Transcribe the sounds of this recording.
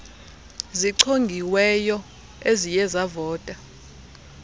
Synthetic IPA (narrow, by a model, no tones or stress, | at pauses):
ziǀʰoŋɡʱiwɛjɔ | ezijɛzavɔːtʼa